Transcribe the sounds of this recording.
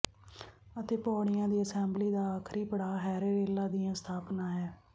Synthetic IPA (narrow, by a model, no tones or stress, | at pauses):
ət̪eːpɔːɽɪjãːd̪iːəsɛːmbliːd̪aːaːkʰɾiːpəɽaːɦɛːɾeːɾeːlaːd̪ɪːãːst̪ʰaːpnãːɦɛː